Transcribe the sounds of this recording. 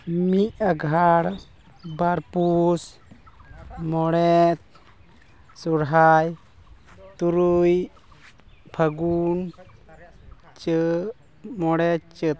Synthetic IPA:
miʔaɡʱaɽ | baɾpus | mɔɽɛt̪̚ | suɽɦaj | t̪uɾuj | bʰʱəɡun | t͡ʃ | mɔɽɛtt͡ʃət̪̚

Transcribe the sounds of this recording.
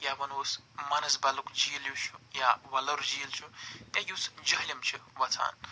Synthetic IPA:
jaʋɐnoːs | mɐnɐsbɐlukd͡ʒiːljut͡ʃʰujaʋɐlɐɾd͡ʒiːlt͡ʃʰut̪ʲajusd͡ʒɐɦlʲimt͡ʃʰiʋɐt͡sʰa̰ːn

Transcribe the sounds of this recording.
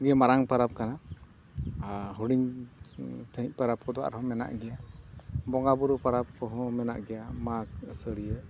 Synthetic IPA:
ɡɛjəmaɾaŋpaɾap̚kana | ɦuɽiŋ | t̪ʰəic̚ˀpaɾap̚kɔd̪ɔa̰ɾɦɔ̃mɛna̰ʔɡɛja | bɔŋɡabuɾupaɾap̚kɔɦɔ̃mɛna̰ʔɡɛjamak̚səɽijə

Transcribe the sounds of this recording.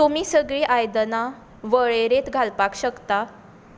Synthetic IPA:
t̪umiːsəɡɭiːʔajd̪na | ʋəɭeɾet̪ɡʱalpakɕəkt̪a

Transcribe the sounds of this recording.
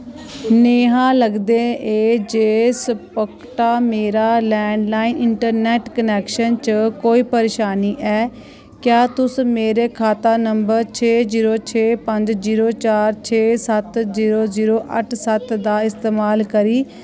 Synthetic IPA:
neːɦãːləɡd̪eːeːd͡ʒeːsəpək | ʈaːmeːɾaːlɛːɳɖlaːinɪɳʈəɾnɛːʈkənɛːkʃənt͡ʃəkoːiːpəɾeːʃaːniːʔɛː | kjaːt̪ʊsmeːɾeːkʰaːt̪aːnəmbəɾt͡ʃʰeːziːɾoːt͡ʃʰeːpəɲd͡ʒziːɾoːt͡ʃaːɾt͡ʃʰeːsət̪ziːɾoːziːɾoːʔə̰ʈʰsət̪d̪aːɪst̪eːmaːlkəɾiː

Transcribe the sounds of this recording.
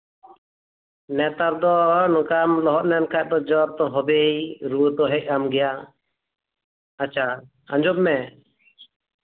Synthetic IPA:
nɛt̪aɾd̪ɔnɔkamlɔɦɔt̪̚nɛnkʰaʔ̚d̪ɔd͡ʒɔɾt̪ɔɦɔbejɾuwət̪ɔɦɛc̚amɡɛja | at͡ʃʰa | ãɲd͡ʒɔb̚mɛ

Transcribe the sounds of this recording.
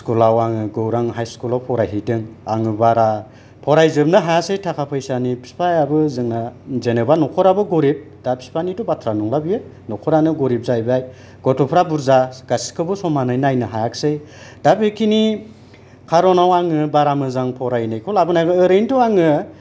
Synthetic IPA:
skulawaŋɯɡɯwɾaŋɦajskulawpʰɔɾajɦidɯŋaŋɯbaɾa | pʰɔɾajzɯm̚nɯɦajasɯjtʰakʰapʰajsanipʰi̥spʰajabɯzɯŋnazenebanɔkʰɔɾabɯɡɔɾip̚ | d̥apʰi̥spʰanitubatʰɾanuŋlabijɯ | nɔkʰɔɾanɯɡɔɾip̚zajbaj | ɡ̥ɔtʰɔpʰɾabuɾzaɡasi̥kʰɯbɯsɔmanɯjnajnɯɦajaksɯj | d̥apekʰini | kʰaɾɔnawaŋɯbaɾamɯzaŋpʰɔɾajnɯjkʰulabɯnaɡɯːɾɯjntuaŋɯ

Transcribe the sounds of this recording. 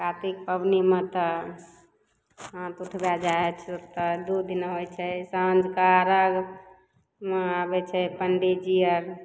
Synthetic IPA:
kat̪ik̚pəbnimẽt̪ə | ɦãt̪uʈʰbad͡ʒaɛt͡ʃʰt̪əd̪ud̪inɦojt͡ʃʰɛsãnd͡ʒkaɾaɡ | meabɛt͡ʃʰɛpəɳɖed͡ʒiəɾ

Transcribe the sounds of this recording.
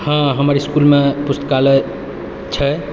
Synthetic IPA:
hãɦəməɾiskulmepust̪kalɛ | t͡ʃʰə

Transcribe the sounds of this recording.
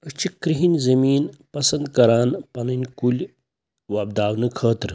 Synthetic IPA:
ət͡ʃikɾiɦinʲzɐmiːnpɐsɐnd̪kɐɾaːnpɐnɨnʲkulʲ | ʋɐb̚d̪aːʋnɨkʰəːt̪ɾ

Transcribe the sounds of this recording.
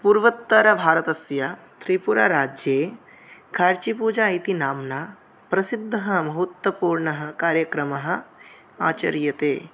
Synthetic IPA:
puɾʋɐt̪ːɐɾɐbʱaːɾɐt̪ɐsja | t̪ɾipuɾa̰ːɾaːd͡ʒjeː | kʰaːɾt͡ʃipuːd͡ʒaːit̪inaːmnaː | pɾɐsid̪ʱːɐɦɐ̆mɐɦut̪wɐpuːɾɳɐɦɐ̆kaːɾjɐkɾɐmɐɦɐ̆ | a̰ːt͡ʃɐ̰ɾjɐt̪eː

